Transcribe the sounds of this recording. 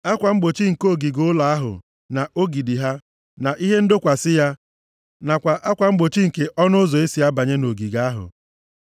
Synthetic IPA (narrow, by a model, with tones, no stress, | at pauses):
a˦kʷa˨ŋ͡m̩˦ɡ͡bo˨t͡ʃi˦ŋ̩˨ko˦˨ɡi˨ɡʊ˦ʊ˦la˨a˦ɦʊ̰˨ | na˨o˦ɡi˨di˨ɦa˦ | na˨ʔi˦ɦe˦n̩˦dʊ˦kʷa˨sɪ˦ja˦ | na˨kʷa˨ʔa˦kʷa˨ŋ͡m̩˦ɡ͡bo˨t͡ʃi˦ŋ̩˨ke˨ʔɔ˦nʊ˦zɔ˨e˦si˨a˦ba˨ɲe˦no˨ɡi˨ɡa˦ɦʊ̰˨